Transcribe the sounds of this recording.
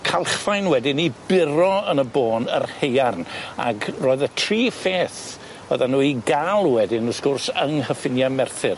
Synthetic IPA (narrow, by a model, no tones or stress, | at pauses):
kʰalˠχfajnwɛdɪnibɪɾɔənəboːnərhejarna̰ɡroːðətʰriːfeːθ | əðanuːiɡalˠwɛdɪnəskʊrsəŋɦəfɪnjamɛrθɪr